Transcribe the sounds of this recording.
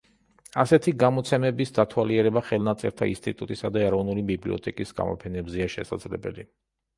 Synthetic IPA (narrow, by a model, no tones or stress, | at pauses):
asɛt̪ʰiɡamɔt̪sʰɛmɛbisd̪at̪ʰwaliɛɾɛbaχɛlˠnat̪sʼɛ̰ɾt̪ʰainst̪ʼit̪ʼut̪ʼisad̪aɛɾɔvnulibiblḭɔ̰t̪ʰɛkʼisɡa̰mɔ̰pʰɛnɛbzɛaʃɛ̰sa̰d̪zlɛbɛ̰li